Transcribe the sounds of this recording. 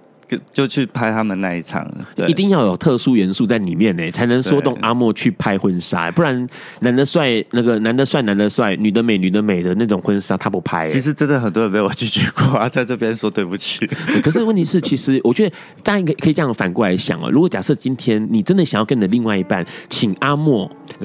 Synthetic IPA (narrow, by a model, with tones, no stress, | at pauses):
kt͡ɕjo˥˧ʊt͡ɕʰy˥˩pʰa˥ɪt̪ʰa˥mə˨nna̰˥˧i˥˩t͡sʰɑ̰˨˩ŋ̰˥˧ʔi˧t̪i˥˧ŋjɑ˥˩jo˨˩ʊt̪ʰɤ˥˩su˥ɥɛ˧˦˥nsu˥˧t͡sa˥˩ɪni˨˩mjɛ˥˨nɛ̰˨˩t͡sʰa˧˥ɪnə˧˦ŋsswɔ˥t̪ʊ˥˩ŋʔa˥mwɔ˥˧t͡ɕʰy˥˩pʰa˥ɪxwə˦nʂa̰˥˩pu˥˩ɻa˧˦n | na˧˥nd̪ə˨swa˥˩ɪna˥˩ɡə˩na˧˥nd̪ə˨˧swa˥˩ɪna˧˥nd̪ə˨˧swa˥˩ɪny˨˩d̪ə˦me˨˩ɪny˨˩d̪ə˦me˨˩ɪd̪ə˦na˥˩ʈ͡ʂʊ˨˩ŋxwə˦nʂa˥t̪ʰa˥pu˨˧˥pʰa˥ɪt͡ɕʰi˧˥ʂɻ̩˧˦ʈ͡ʂə˥nd̪ə˨xə˨˩nt̪wɔ˥ə˧˨npe˥ɪwɔ˨˩t͡ɕy˥˩t͡ɕɥɛ˧˦kɔ˥˩a˧t͡sa˥˧ɪʈ͡ʂɤ˥˧pjɛ˥nswɔ˥t̪we˥˧ɪpu˧t͡ɕʰy˥˩t̪e˥˩kʰɤ˨˩ʂɻ̩˥˧wə˥˩nt̪ʰi˧˥ʂɻ̩˥˩t͡ɕʰi˧˥ʂɻ̩˧˥wʔɔ˨˩t͡ɕɥɛ˧˥d̪ə˨˧ | t͡si˧ə˧˨˩kʰi˨˩ʈ͡ʂjɑ˥˩fa˨˩nkwla˧˥ɪɕjɑ̰˨˩ŋə̰˩ɻu˧˥kwɔ˨˩˦t͡ɕja̰˨˩ʂɤ˥˩t͡ɕi˦˥nt̪ʰjɛ˥nni˨˩ʈ͡ʂə˥nd̪ə˩ɕŋjɑ˥˩kə˥ni˨d̪li˥˧ŋwa˥˩ɪi˧˥pa˥˩nt͡ɕʰi˨˩ŋa˥mwɔ˥˩